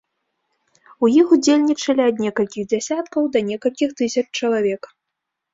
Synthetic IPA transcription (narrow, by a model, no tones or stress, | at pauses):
ujixud͡zʲelʲnʲit͡ʂɐlʲiɐd̪nʲɛkɐlʲkʲiɣd͡zʲɛsʲat̪̚kɐwd̪ɐnʲɛkɐlʲkʲixt̪ɨsʲɐt͡ʂt͡ʂɐlˠavʲɛk